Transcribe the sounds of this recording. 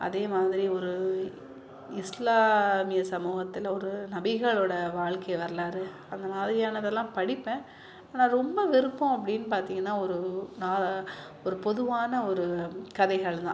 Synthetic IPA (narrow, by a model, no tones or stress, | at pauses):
ʔɐ̰ðeːmaːðɪɾiɔɾɯ | ɪslaːmɪjɐsɐmuːɣɐt̪ːɪlɔɾɯnɐbɪɣɐɭoːɽɐʋaːɭkɐjɐʋɐɾɐlaːɾɯ | ɐnd̪ɐmaːðɪɾɪjaːnɐðɛlːãːpɐɽɪpːẽː | aːnãːɾɔmbɐʋɪɾɯpːõɐp̬ːɐɽɪnːɯpaːɾt̪iːŋɡɐnːãːɔɾɯnaː | ɔɾɯpɔðɯʋaːnɐɔɾɯkɐðɐɪɣɐɭt̪ã̰ː